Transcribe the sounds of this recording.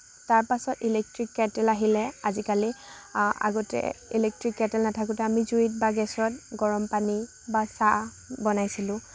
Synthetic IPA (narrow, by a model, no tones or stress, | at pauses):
taɹpasɔtilek̚tɹikːɛtɛlaɦilɛazikali | a̰ɡɔtɛ̰ḭlek̚tɹikːɛtɛlnatʰakutɛamizuit̚baɡɛsɹɔtɡɔɹɔmpani | basa | bɔnajsilʊ̃